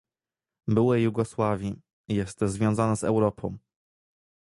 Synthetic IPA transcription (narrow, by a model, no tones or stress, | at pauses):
bɘwɛjuɡɔswavʲi | jɛst̪zvʲjɔ̃zanɛzɛwɾɔpʰɔ̃w̃